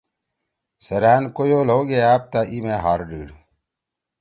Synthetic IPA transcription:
sɐɾaːnkojoːloːɡeaːp̚t̪aʔimẽːɦaːɾɖiːɽ

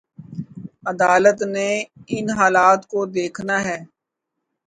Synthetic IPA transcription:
əd̪aːlət̪neɪnɦaːlaːt̪kod̪eːkʰnaɦɛː

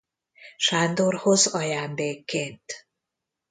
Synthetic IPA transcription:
ʃaːnd̪orho̞zɒjaːnd̪eːkːeːnt̪

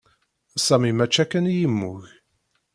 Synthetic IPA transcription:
sæmimæt͡ʃːækːənjimːʊç

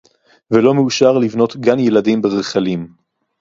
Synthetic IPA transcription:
velo̞meuʃaʁlivno̞tɡanjeladimbeʁeχalim

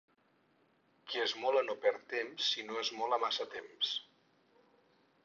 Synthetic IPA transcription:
kiezmɔlənopɛɾt̪emsːinoezmɔləmasət̪ems

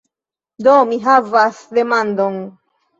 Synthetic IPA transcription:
d̪omiɦavasd̪emand̪on

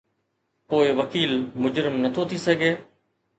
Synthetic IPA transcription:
poːɪʋəkiːlmʊd͡ʒɾɪmnət̪ʰot̪ʰisəɡʱeː

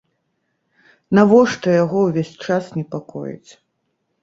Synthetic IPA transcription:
navɔʂt̪ɔjaɣɔwvʲesʲt͡ʂasnʲɛpakɔ̰jḭt͡sʲ

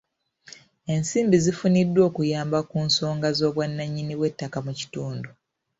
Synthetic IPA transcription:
e̞nsiːmbizifunidːwo̞ːkujaːmbakuːnso̞ːŋɡazo̞ːβwanːaɲːiniwe̞tːakamuci̥tuːndu

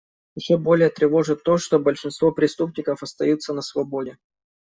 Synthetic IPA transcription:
jɪɕːobo̞lʲɪjət̪ɾʲɪvo̞ʐɨt̪ːo̞ʂt̪obəlʲʂɨnst̪vo̞pɾʲɪst̪up̚nʲɪkəfɐst̪ɐjut̪sːənəsvɐbo̞dʲɪ

